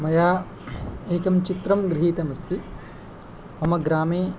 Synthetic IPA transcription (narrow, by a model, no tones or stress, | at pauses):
mɐjaː | eːkɐmt͡ʃit̪ɾɐmɡɾɪɦiːt̪ɐmɐst̪i | ɐmɐɡɾaːmeː